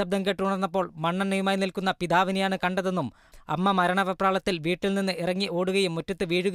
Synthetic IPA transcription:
ɐb̚d̪ɐŋkeʈːuuɳɐrnːɐp̬ːo̞ːɭmɐɳːɐnnɐjumaːjnilkunːɐpid̪aːʋinɐjaːɳɨkɐɳɖɐðe̞nːum | ɐ̰mːɐmɐɾɐɳɐʋɐpːraːɭɐt̪ːilʋiːʈːilninːɨʔirɐŋːiʔo̞ːɽuɣɐjumːutːɐt̪ːɨʋiːɻuɣ

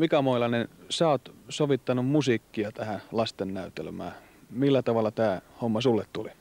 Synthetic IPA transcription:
mikæmoilɑnensæˑot̪soʋit̪ːɑnummusikːiɑt̪æhælɑst̪enːæyt̪ḛlmæ̰ː | milːæt̪ɑʋɑlːɑt̪æːhomːɑsulːet̪t̪uli

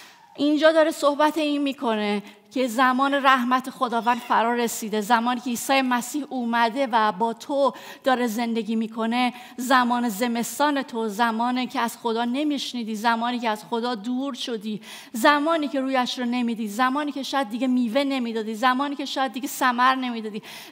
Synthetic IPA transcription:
ʔind͡ʒɒːd̪ɒːɾesohbæt̪ʰeiːnmiːkʰo̞ne | cʰe̞zæmɒːneɾæhmæt̪ʰexo̞d̪ɒːvæːnd̪fæɾɒːɾre̞siːd̪e̞zæmɒːniːcʰeiːsɒːjemæsiːhuːmæd̪e̞væbɒːt̪ʰo | d̪̥ɒːɾe̞ze̞nd̪e̞ɟiːmiːkʰo̞ne̞ | zæmɒːne̞ze̞me̞st̪ɒːne̞t̪ʰo̞zæmɒːnecʰeæz̥xo̞d̪ɒːne̞miʃniːd̪iːzæmɒːniːcʰeæz̥xo̞d̪ɒːd̪uːɾʃo̞d̪iː | zæmɒːniːcʰe̞ɾuːjæʃɾɔne̞miːd̪iːzæmɒːniːcʰe̞ʃɒːjæd̪̚ːiɡɟe̞miːve̞ne̞miːd̪ɒːd̪iːzæmɒːniːcʰe̞ʃɒːjæd̪̚ːiɟe̞sæmæɾne̞miːd̪ɒːd̪iː

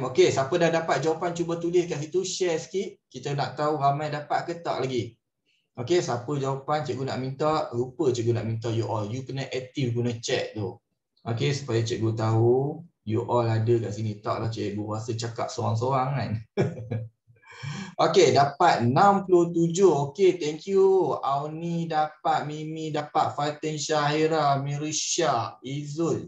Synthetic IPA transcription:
mokesapədahdapat̪̚d͡ʒawapant͡ʃubat̪ulɪhkaʔsit̪uʃɛsə̥kiʔkit̪ənaʔt̪auɣamajdapat̪̚kət̪ɔ̰ʔ̚laɡi | okesapəd͡ʒawapant͡ʃɛʔ̚ɡuna̰ʔmint̪ɔʔlupət͡ʃɛʔ̚ɡuna̰ʔmint̪ɔʔjuʔɔljukənaʔɛk̚t̪ifɡunat͡ʃɛʔ̚d̪o | ʔokesu̥pajat͡ʃɛʔ̚ɡut̪aɦujuʔɔladəkaʔsinit̪aʔlaht͡ʃɛʔ̚ɡukuasət͡ʃaka̰p̚soɾaŋs̬oaŋan | ʔokedapat̪̚nãmpulot̪ud͡ʒohoket̪ɛŋkjuawnidapat̪̚mimĩdapat̪̚fat̪ɛnʃaɦiɾamiɾiʃaizun̚

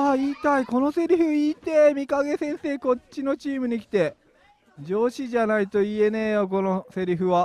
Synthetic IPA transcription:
aːiːt̪aiko̞no̞se̞ɾʲiɸɯ̟iːt̪e̞mʲikaɡe̞sẽ̞ɰ̃se̞ːko̞t͡ɕːino̞t͡ɕiːmɯ̟ɲ̟ikʲi̥t̪e̞ | d͡ʑo̞ːɕiʑanait̪o̞ie̞ne̞ːjoko̞nose̞ɾʲiɸɯ̟βa

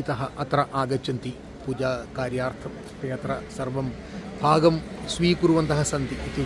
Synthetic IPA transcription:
it̪ɐɦɐʔɐt̪ɾɐʔaːɡɐt͡ʃːɐnt̪i | puːd͡ʒaːkaːɾjaːɾt̪ʰɐ | t̪eːt̪ɾɐsɐrʋɐm | bʱaːɡɐmsʋiːkuɾuʋɐnt̪ɐɦɐsɐnt̪iʔːt̪i

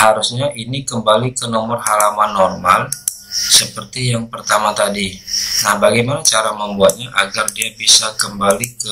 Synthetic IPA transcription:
haɾusɲaʔinikəmbalikənɔmɔrhalamanːɔrmal | səpərt̪ijaŋpərt̪amat̪adinahbaɡajmanat͡ʃaɾaməmbuat̪̚ɲaʔaɡardiabisakəmbalikə

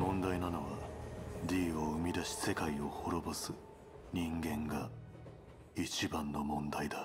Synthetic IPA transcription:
mõ̞nd̪ainano̞βad̪ʲiːoɯmʲid̪aɕi̥se̞kaio̞ho̞ɾo̞bosɨ | ɲ̟ĩŋɡẽ̞ŋɡa | it͡ɕibãnːo̞mõ̞nd̪aid̪a

